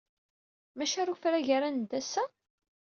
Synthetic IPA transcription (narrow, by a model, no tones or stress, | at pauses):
mæʃaɾufɾæʝaɾænd̪æsæ